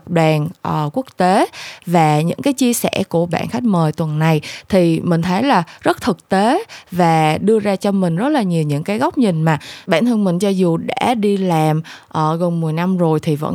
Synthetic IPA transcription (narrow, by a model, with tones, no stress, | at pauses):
k͡p̚ɗwaː˨˩nʔəː˨˩ku˦˥ək̚t̪e˨˦vaː˨˩ɲɨ̰˧˥ŋkaː˨˦jt͡ɕi˧əsɛ̰˧˩ku˧˩əɓa̰ː˧˨nxa˦˥jk̚məː˨˩jt̪wə˨˩nːa˨˩jt̪ʰi˨˩mï˨˩ŋ̟t̪ʰə˨˦jlaː˨˩zə˦˥t̚t̪ʰɨ˨˩k̚t̪e˨˦vaː˨˩ɗɨ˧əzaː˧t͡ɕɔ˧mï˨˩ŋ̟zə˦˥t̚laː˨˩ɲi˨˩əwɲɨ̰˧˥ŋkaː˨˦jɣɔ˦˥wk͡p̚ɲï˨˩ŋ̟maː˨˩ɓaː˧˨nt̪ʰə˧nmï˨˩ŋ̟t͡ɕɔ˧zu˨˩ɗa̰ː˧˥ɗi˧laː˨˩mʔəː˨˩ɣo˨˩nmɨ˨˩əjna˧mzo˨˩jt̪ʰi˨˩və̰˧˥n